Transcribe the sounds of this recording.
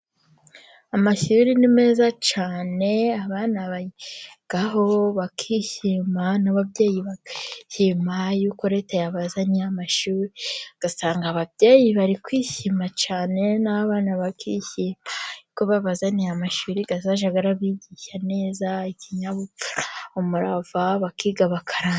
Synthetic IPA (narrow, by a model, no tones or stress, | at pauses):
amaʃuɾinime̞ːzat͡ʃaːne̞aβaːnaβaɡ̥aɦo̞βakʰiʃimanaβabje̞ːjiβakiʃimajuːko̞ɾe̞tajaβazanijamaʃuːɾiɡ̥asaːŋɡaβavjeːjiβaɾikwiːçimat͡ʃaːne̞naβaːnaβakiçiːmajuuko̞βaβazanijamaʃuːɾiɡazaʒaɡaɾaβiːɟiʃane̞ːzaiciɲaβuuɾomuɾavaβakʰiːɡaβakʰaɾa